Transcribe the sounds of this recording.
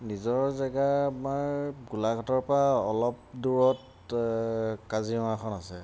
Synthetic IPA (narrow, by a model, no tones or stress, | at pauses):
nizɔɹzaɡamaɹɡulaɡɔtɔɹpɹaɔlɔp̚duɹɔt | kaziɔmakʰɔnasɛ